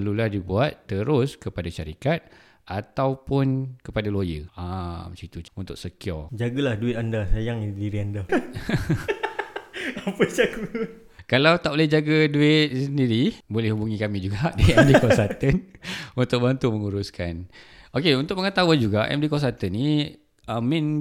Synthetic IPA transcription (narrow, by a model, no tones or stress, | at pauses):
pəluladibuat̪ːəɾʊskəpadaʃaɾikat̪̚ | at̪awpʊnkəpadalojə̰amsit̪uunt̪ʊk̚səkiɔ̰d͡ʒaɡəlahduɪt̪andasajaŋidiɾianda | apəd͡ʒaɡu | kalawt̪aʔbolɛhd͡ʒaɡəduɪt̪̚səndiɾibolɛhubuŋĩkamĩd͡ʒuɡaʔdiɛmdikɔsat̪ənunt̪ʊk̚bant̪uməŋuɾuskanokeunt̪ʊk̚məŋət̪auand͡ʒuɡaʔɛ̰mdikɔs̬at̪ənːi | amĩn